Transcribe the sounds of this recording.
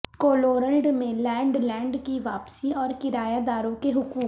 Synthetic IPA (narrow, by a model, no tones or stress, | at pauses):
koːloːɾəlɖmẽlɛ̃ːɳɖlɛ̃ːɳɖkiʋaːpsiɔːɾkɪɾaːjaːd̪aːɾõkeɦʊkuːk